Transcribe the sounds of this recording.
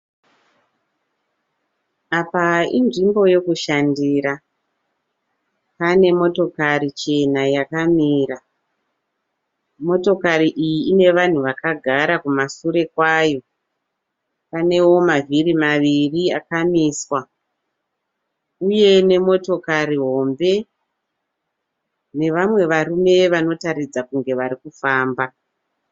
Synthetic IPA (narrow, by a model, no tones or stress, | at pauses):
apaḭnʐimbo̞jo̞kuʃandiɾa | pane̞mo̞to̞kaɾit͡ʃe̞najakamiːra | mo̞to̞kaɾiʔijiine̞ʋan̤uʋakaɡʱaɾakumasuɾe̞kwaːjo̞ | pane̞wo̞mavirimaʋiriakamiːswa | uje̞ne̞mo̞to̞kariɦo̞ːmbe̞ | ne̞ʋamwe̞ʋarume̞ʋano̞tarid͡zakuŋɡe̞ʋaɾikufaːmba